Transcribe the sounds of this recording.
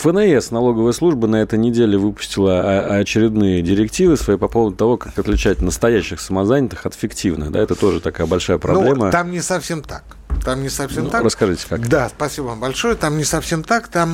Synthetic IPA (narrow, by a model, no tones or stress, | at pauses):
fənɛɛsnɐlˠo̞ɡəvəjəslˠuʐbənɐɛt̪əjnʲɪdʲelʲɪvɨpʊ̥sʲtʲɪlˠəːt͡ɕɪɾʲɪd̪nɨjədʲɪɾʲɪktʲivɨsvɐipɐpo̞vˠəd̪ʊt̪ɐvo̞kakɐt̪lʲɪt͡ɕæt̪ʲnəst̪ɐjæɕːɪxsəmɐzanʲɪt̪ɨxɐt̪fʲɪktʲivnɨ̰xd̪a̰ɛt̪ət̪o̞ʐɨt̪ɐkajəbɐlʲʂajəpɾʔɐbnlʲemət̪amnʲɪsɐfsʲemt̪ak | t̪amnʲɪsɐfsʲemt̪arəskɐʐɨtʲɪ̥kad̪aspɐsʲibəvambɐlʲʂojət̪amnʲɪsɐfsʲemt̪akt̪am